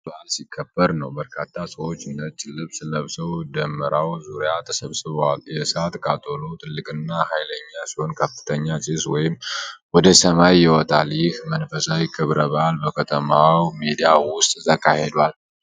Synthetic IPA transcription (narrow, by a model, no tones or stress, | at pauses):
bʔalsikʰːəb̥ːəɾnəwbəɾkʰat̪ʰːasəwo̞t͡ʃːɨnːət̪t͡ʃʼɪlːɨβsləβsəwd̪əmːəɾʔawzuɾɪjat̪ʰəsəβsɨβəwaljɛsat̪ʼkʼat̪ʼolot̪ʰɨlːɨkʼɨnːahajləɲːasiho̞nkʰəfːɨ̥t̪ʰəɲːat͡ʃʼɪswɔjɪmwɔd̪əsəmajːɪwɔt̪ʼaljɪhmənfəsawikʰɨβɾəβəʔalbəkʰət̪ʰəmawmid̪ijawʊst̪ʼzəkʰʼːahe̞d̪al